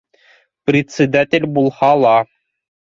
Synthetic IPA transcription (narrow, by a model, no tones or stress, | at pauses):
prʲɪt̪ʲsʲed̪atʲelʲbulˠχɑlˠɑ